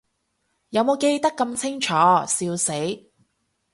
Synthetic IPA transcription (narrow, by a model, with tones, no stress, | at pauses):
jɐ˨˧wmo˨˧wke˧jt̪ɐ˥kːɐ˧mt͡sʰɪ˥ŋt͡ʃʰɔː˨˥siː˧wse˨˥j